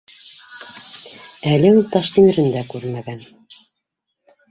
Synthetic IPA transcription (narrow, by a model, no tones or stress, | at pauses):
ælɘʉlt̪ɑʃt̪inɘ̆ɾɘ̆nd̪ækʉɾmæɡæn